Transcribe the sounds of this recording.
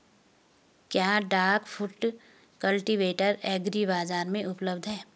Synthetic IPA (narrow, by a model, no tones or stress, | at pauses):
kjaːɖaːɾkfʰʊʈ | kɐlʈiʋeːʈəɾɛːɡɾibaːzaːɾmẽʔʊpləbd̪ɦɛː